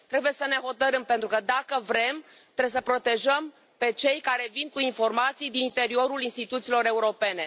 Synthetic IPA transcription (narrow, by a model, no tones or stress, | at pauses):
t̪ɾe̞buje̞səne̞ɦo̞t̪əɾɨmpe̞nt̪ɾukəd̪akəvɾe̞m | t̪ɾeesəpɾo̞t̪e̞ʒəm | pe̞t͡ʃe̞jkaɾe̞vinkuinfo̞rmat̪sijd̪inint̪e̞ɾio̞ɾulinst̪it̪ut̪silo̞ɾe̞uɾo̞pe̞ne̞